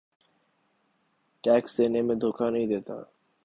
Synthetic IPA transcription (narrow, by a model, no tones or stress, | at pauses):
ʈɛːksd̪eːneːmẽːd̪ʱoːkʰaːnəɦĩːd̪eːt̪a̰ː